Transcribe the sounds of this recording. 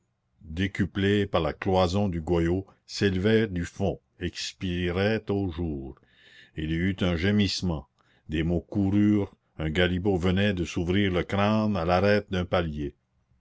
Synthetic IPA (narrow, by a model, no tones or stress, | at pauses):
d̪ekyplepaʁlaklwazɔ̃d̪yɡwajo | selvɛd̪yfɔ̃ | ɛkspiʁɛt̪oʒuːʁ | ilyt̪ɛ̃ʒemismɑ̃ | d̪emokuɾyːʁ | ɛ̃ɡalibovənɛd̪əsuvɾiːʁləkɾãnalaɾɛːt̪̚d̪œ̃palje